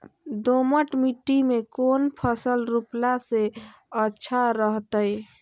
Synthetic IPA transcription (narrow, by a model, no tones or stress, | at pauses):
d̪oməʈmiʈːimekonpʰəsəlɾuplase | ətːʃʰaɾəɦt̪əj